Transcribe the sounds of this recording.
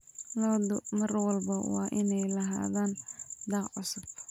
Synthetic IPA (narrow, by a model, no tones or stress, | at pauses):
lɔːd̪ʊmɐrwɑlbɐwɑ̰ːʔɪnɛjlɐɦa̰ːðaːnd̪ɑːqʕʊsʊb